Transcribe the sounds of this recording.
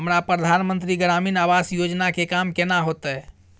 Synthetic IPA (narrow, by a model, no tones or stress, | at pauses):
ɦəmɾapɾəd̪ʱanmənt̪ɾiɡɾaminaʋasjod͡ʒnakekamkenaɦot̪ɛ